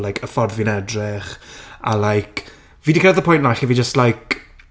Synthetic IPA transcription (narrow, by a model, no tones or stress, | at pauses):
lˠajkʰəfɔrðvinɛdrɪχa̰lajkʰ | viːdikʰrɛðəpʰʊjntlaχivid͡ʒəstlajk